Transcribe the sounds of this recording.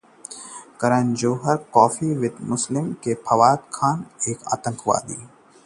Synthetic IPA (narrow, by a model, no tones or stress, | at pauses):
kɐɾənd͡ʒoːɦəɾkɔːfiʋɪt̪mʊslɪmkepʰɐʋaːt̪kʰaːneːka̰ːt̪ə̃ŋkʰʋa̰ːd̪ḭː